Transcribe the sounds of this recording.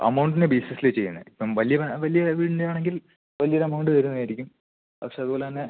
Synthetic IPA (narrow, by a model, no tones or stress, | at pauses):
ɐ̰mɐwɳɖinebiːsesilet͡ɕːe̞jːɐnːɐ̰ipːɐmʋɐlijɐʋɐlijɐʋiːʈindeaːɳeŋɡil | ʋɐlijɐoɾɐmɐwɳɖɨt̪ɐɾunːɐaːjiɾikʲːum | pɐ̰kʂe̞ɐðuboːleɐne